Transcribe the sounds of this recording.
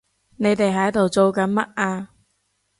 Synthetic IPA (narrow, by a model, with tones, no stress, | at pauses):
ne˨˧jt̪e˨jɦɐ˨˥jt̪o˨wt͡so˨˧wkɐ˨˥nmɐ˥t̚ʔaː˧